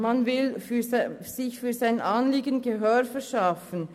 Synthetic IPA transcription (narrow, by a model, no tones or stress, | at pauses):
manvɪlfyz̥ɪçfyːzaɪnʔanliːɡənɡəɦøːɾfɛʃafən